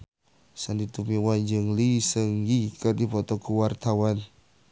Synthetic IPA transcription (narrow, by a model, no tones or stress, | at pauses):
sandit̪umiwand͡ʒəŋlisəŋɡikərdipɔt̪ɔkuwart̪awan